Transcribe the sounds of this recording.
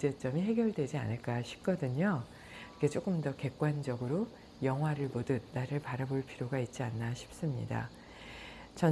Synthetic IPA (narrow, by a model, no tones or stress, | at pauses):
d͡ʑe̞t͡ɕ͈ʌmiɦe̞ɡjʌɭdwe̞d͡ʑia̰nɯɭk͈aɕʰi̥p̚k͈ʌdɯɲo | ike̞t͡ɕ͈ok͈ɯmdʌke̞k͈wand͡ʑʌɡɯɾo | jʌŋɦwaɾɯɭmodɯt̚naɾɯɭpaɾaboɭpʰiɾjoɡait̚t͡ɕ͈ianːaɕʰi̥p̚s͈ɯmɲḭda̰ | t͡ɕʌ